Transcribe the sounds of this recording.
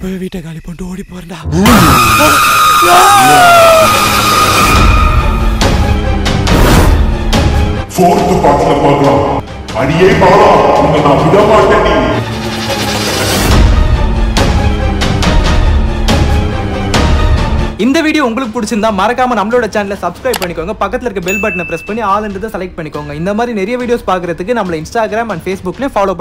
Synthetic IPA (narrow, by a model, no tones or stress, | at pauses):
pʋiːʈːɐkaːlipoɳʈoːɽipoːɾɐnɖaː | foːɾt̪ːɯpaːʈslɐpaːɾkɾãː | ɐɽɪjeːpaːlãːʊŋɡɐnaːmɪɽɐːmaːkːeɳɖi | ɪnd̪ɐʋiːɽɪjõːʊŋɡɐɭɯkːɯpʊɽɪt͡ʃːɯnd̪ãːmɐɾɐkːaːmɐnɐmːɐlɭoːɽɐt͡ʃaːnlɐsɐbskɾɐɪb̚pɐɳːɪkːoːŋɡɐpɐkːɐt̪ːɪlɐɪɾɯkːɯbɛlbɐːʈ̬ːnɐpɪɾɛspɐɳːiaːlɛnd̪ɯðãsɐlɐɪk̚ʈ̚pɐɳːɪkːoːŋɡɐɪnd̪ɐmaːd̪ɾinɛɾɐjɐʋiːɽɪjoːspaːɾkɯɾɐðɯkːɯnɐmːɐɭɐɪnsʈaːɡɪɾaːmɐnɖfeːsbʊkːlj̃faːloːpɐ